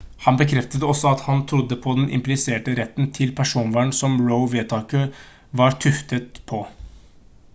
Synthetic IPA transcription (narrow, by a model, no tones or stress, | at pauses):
hɑnbəkʰɾɛft̪əd̪əɔsːɔɑt̪hɑnt̪ʰɾʊd̪ːəpʰɔd̪ɛnʔɪ̰mplɪseːʈəɾɛt̪ːnt̪ʰɪlpʰæʂuːnʋæːɳsɔmɹəʊʋeːt̪ʰɑːkə | ʋɑɾt̪ʰʉft̪ət̪pʰɔ